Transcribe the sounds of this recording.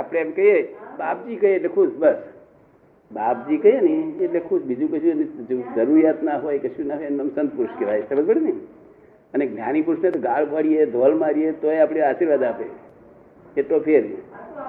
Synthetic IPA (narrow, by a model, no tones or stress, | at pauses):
apɽ̃eːmkəjebap̚d͡ʒikəjeːʈlekʰuʃbəs | bap̚d͡ʒikəɦjenieʈlekʰuʃbid͡ʒũkəʃũnd͡ʒəɾuɾjat̪naɦojkəʃũnaɦojenəmsənd̪̚puɾʃkeʋajsebəsbəɽinəi | əneɡnʲjanipuɾʃnat̪oɡaɽbʱəɽijed̪ʱolmaɾiet̪oeapɽ̃iaʃiɾʋad̪apḛ | et̪opʰeɾe